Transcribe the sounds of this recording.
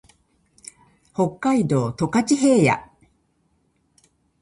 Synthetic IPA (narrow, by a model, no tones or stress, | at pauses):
ho̞kːaid̪o̞ːt̪o̞kat͡ɕiɦe̞ːja̰